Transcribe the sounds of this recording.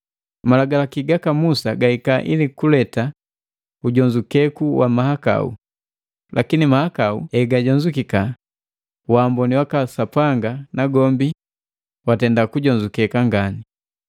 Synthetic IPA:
malaɡalakiɡakamusaɡahikaʔilikulɛta | uɟɔɲd͡ʒukɛkuwamahaka̰ṵ | lʔakinimahakauɛɡaɟɔɲd͡ʒukika | waːmbɔniwakasapaŋɡanaɡɔmbi | watɛndakuɟɔɲd͡ʒukɛkaŋɡani

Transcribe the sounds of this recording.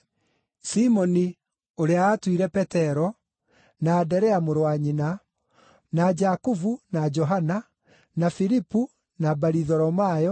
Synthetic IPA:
simɔni | oɾeaːtwiɾɛpɛtɛɾɔ | naːdɛɾɛamoɾowaɲina | nad͡ʒakuvunad͡ʒɔɦana | nafiɾipu | nabaɾiðɔɾɔmajɔ

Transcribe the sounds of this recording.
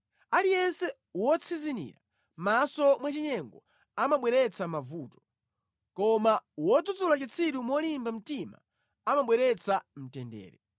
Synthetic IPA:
alijɛnsɛ | wɔt͡sʰizinḭːɾa | masɔmwat͡ʃiɲɛŋɡɔ | amaɓwɛɾɛt͡sʰamavuːtɔ̥ | kɔmawɔd͡zud͡zulat͡ʃit͡sʰiɾumɔlimbam̩tima̰ | amaɓwɛɾɛt͡sʰam̩tɛndɛ̰ːɾɛ

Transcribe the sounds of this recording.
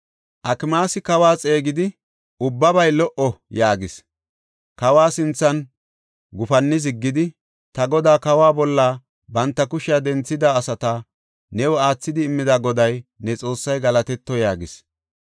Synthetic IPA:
ʔɐkɪmaːsɪkɐwaːt͡sʼe̞ːɡɪd̪ɪ | ʊbːɐbɐjlɔʔɔjaːɡɪs | kɐwaːsɪnt͡sːɐn | ɡʊfɐnːɪz̬ɪɡːɪd̪ɪ | t̪ɐɡɔd̪aːkɐwaːbɔlːaː | bɐnt̪ːɐkʊʃɪjad̪ɛnt͡sːɪd̪aːsɐt̪ɐ | nɛwɔaːt͡sːɪd̪ɪːmːɪd̪aɡɔd̪ɐjnɛt͡sʼo̞ːsːɐjɡɐlɐt̪ɛt̪ːɔjaːɡɪs

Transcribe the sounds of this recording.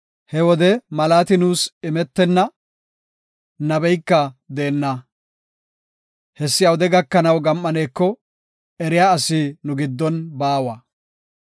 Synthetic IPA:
hɛwɔd̪ɛmɐlaːt̪ɪnuːsɪmɛt̪ːɛnːɐ | nɐbɛjkːɐd̪eːnːɐ | hɛsːɪjɐwɔd̪ɛɡɐkːɐnɐwɡɐmːɐne̞ːkːɔ | ɛɾɪjaːɐsinʊɡɪd̪ːɔnbaːwɐ

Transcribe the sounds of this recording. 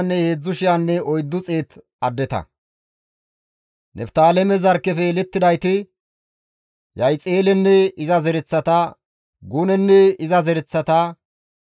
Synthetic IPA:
nːɛhe̞ːd͡zːʊʃɪjaːnːɛʔɔjd̪ːʊt͡sʼeːt̪ | ɐd̪ːɛt̪ɐ̰ | nʔɛ̰ft̪aːlɛmɛzɐɾkːɛfɛlɛt̪ːɪd̪ɐjt̪ɪ | jɐjt͡sʼeːlɛnːɛɪzɐzɛɾɛt͡sːɐt̪ɐ | ɡunɛnːɛɪzɐzɛɾɛt͡sːɐt̪ɐ

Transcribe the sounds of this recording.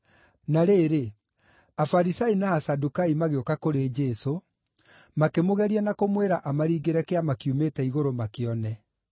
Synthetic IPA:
naɾeːɾe | afaɾisainaasadukaimaɣeokakoɾed͡ʒɛːso | makemoɣɛɾianakomweɾaʔamaɾiːɡeɾɛkeamakiumetɛiɣoɾomakeɔnɛ

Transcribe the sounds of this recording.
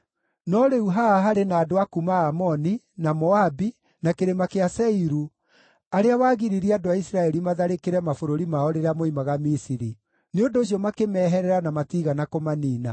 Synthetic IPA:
nɔɾeuɦaaɦaɾenaːdoakumaːmɔni | namɔabi | nakeɾemakeasɛiɾu | aɾeawaːɣiɾiɾiadoaisɾaɛɾimaðaɾekeɾɛmafoɾoɾimaɔɾeɾamoimaɣamisiɾi | neondoːɕ̬iɔmakemɛːɦɛɾɛɾanamatiɣanakomaniːna

